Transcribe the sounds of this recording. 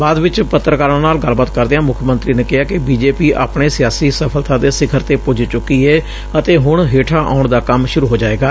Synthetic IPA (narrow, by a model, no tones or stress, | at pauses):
baːd̪ʋɪt͡ʃpət̪ːɾəkaːɾəɳnaːlɡəlbət̪kəɾd̪eãːmʊkʰjəmənt̪ɾiːneːkɪɦaːkɪbiːd͡ʒeːpiːʔa̰ːpɳeːsɪjaːsiːsəpʰəlt̪ãːd̪eːsɪkʰəɾt̪eːpʊd͡ʒt͡ʃʊkːiːɛː | ət̪eːɦʊɳ̃ɦeːʈʰaːʔa̰ːʊɳd̪aːkəmʃʊɾuːɦoːd͡ʒaːeːɡaː